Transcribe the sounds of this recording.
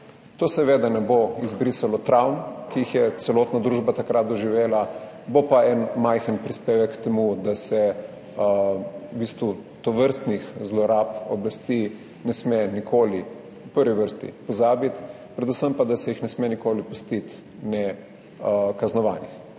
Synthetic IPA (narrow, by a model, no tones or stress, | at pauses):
t̪oːsɛʋeːd̪anɛboizbɾisalɔt̪ɾawnkiixjɛt̪sɛloːt̪nad̪ɾuːʒbat̪akɾat̪̚d̪ɔʒiʋeːla | bopaɛnmajxənpɾispeːʋɛkːt̪ɛmud̪asɛ | ubiːst̪ʋut̪ɔʋəɾst̪nixzlɔɾapɔblast̪i | nɛsmenikʰoːli | upəɾʋiʋəɾst̪ḭpɔzaːbit̪ | pɾɛd̪usəmpad̪asɛjixnɛsmenikoːlipust̪it̪ | nɛ | kaznɔʋa̰ːnix